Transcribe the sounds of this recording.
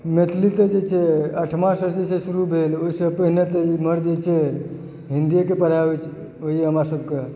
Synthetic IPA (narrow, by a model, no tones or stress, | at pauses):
met̪ʰlit̪əd͡ʒet͡ʃʰeəʈʰmãsəd͡ʒet͡ʃʰesuɾubʱeloisəpəɦinet̪əiməɾd͡ʒet͡ʃʰe | ɦind̪ijekepəɽ̤aʋet͡ʃʰ | oɦieɦəmɾasəb̚ʱke